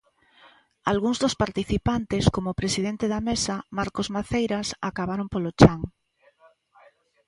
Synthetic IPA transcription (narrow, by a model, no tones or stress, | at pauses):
alɣuŋzðospaɾt̪iθipant̪eskomopɾesiðent̪eðamesamaɾkozmaθejɾasakaβaɾompolot͡ʃaŋ